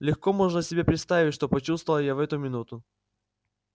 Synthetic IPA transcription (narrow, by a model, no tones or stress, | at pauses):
lʲɪxko̞mo̞ʐnəsʲɪbʲepɾʲɪt̪st̪avʲɪtʲʂt̪o̞pɐt͡ɕust̪vəlˠəjavɛt̪ʊmʲɪnut̪ʊ